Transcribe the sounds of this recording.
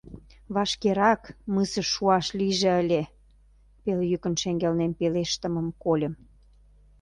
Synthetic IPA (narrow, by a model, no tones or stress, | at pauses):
βɑʃkeɾɑkməsəʃuɑʃliʒĕəlʲe | peljykə̆nʃeŋɡelnenpeleʃt̪ə̆məmkolʲə̆m